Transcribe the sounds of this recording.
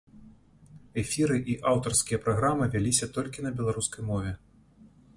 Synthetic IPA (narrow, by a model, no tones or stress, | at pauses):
ɛfʲiɾɨʔiʔawt̪ɐrskʲijɐpɾaɣɾamɨvʲalʲisʲɐt̪ɔlʲkʲinɐbʲɛlˠaɾuskɐjmɔvʲɛ